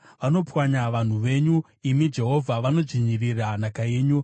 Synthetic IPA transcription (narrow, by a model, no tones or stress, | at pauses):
ʋano̞pwaɲaʋan̤uʋe̞ɲu | imid͡ʒe̞ɦo̞vʱaʋano̞ʐiɲiriranakaje̞ːɲu